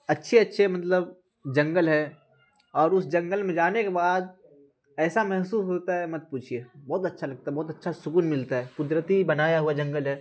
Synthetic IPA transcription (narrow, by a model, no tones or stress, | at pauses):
ɐtːʃʰeɐtːʃʰemɐt̪ləb | d͡ʒɐ̃ŋɡəlɦɛ | ɔːɾʊsd͡ʒɐ̃ŋɡəlmẽd͡ʒaːnekebaːd̪̚ | ɛːsamɛɦsuːsɦoːt̪aɦɛmɐt̪̚puːt͡ʃʰiebɔːt̪ɐtːʃʰalɐɡ̚t̪aɦɛbɔːt̪ɐtːʃʰasʊkuːnmɪlt̪aɦɛːkʊd̪ɾət̪ibɐnaːjaɦuad͡ʒɐ̃ŋɡəlɦɛː